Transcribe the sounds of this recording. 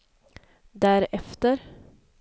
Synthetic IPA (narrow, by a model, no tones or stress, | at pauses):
d̪æːɾɛft̪əɾ